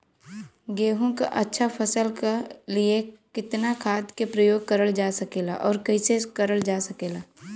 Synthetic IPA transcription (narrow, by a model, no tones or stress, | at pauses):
ɡeːɦõka̰ʔɐtːʃʰafʰɐsəlkeliekɪt̪nakʰaːd̪kepɾɐjoːɡ̚kɐɾəld͡ʒaːsɐkeːlaʔɔːɾkɐisekɐɾəld͡ʒaːsɐkeːlaː